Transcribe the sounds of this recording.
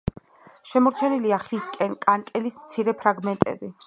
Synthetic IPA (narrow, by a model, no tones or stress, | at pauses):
ʃɛmɔɾt͡ʃʰɛniliaχiskʼɛnkʼankʼɛlismt̪sʰiɾɛpʰɾaɡmɛnt̪ʼɛ̰bi